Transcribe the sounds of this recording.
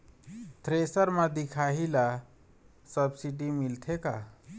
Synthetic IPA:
t̪ʰɾesəɾmãd̪ikʰaɦila | səbsiɖimilt̪ʰeka

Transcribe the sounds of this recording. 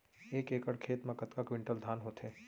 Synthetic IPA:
eːkeːkəɽkʰeːt̪mẽkət̪kakʋɪ̃ɳʈəld̪ʱaːnɦot̪ɦeː

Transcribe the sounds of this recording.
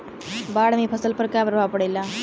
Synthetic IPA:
baːɽɐmipʰɐsɐlpɐɾkaɐʋɐɾbaːpːɐɽɐlːa

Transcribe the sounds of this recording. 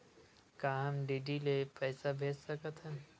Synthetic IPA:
kaːɦmɖiːɖilepɛːsabʱeːd͡ʒsɐkət̪ɦɛ̃

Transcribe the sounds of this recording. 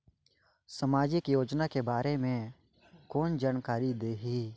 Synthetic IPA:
səmaːd͡ʒɪkjoːd͡ʒnakebaːɾemẽ | kɔːnd͡ʒaːnkaːɾid̪eːɦiː

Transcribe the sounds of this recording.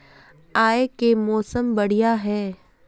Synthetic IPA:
aːekemɔːsəmbɐɽ̤ijaɦɛː

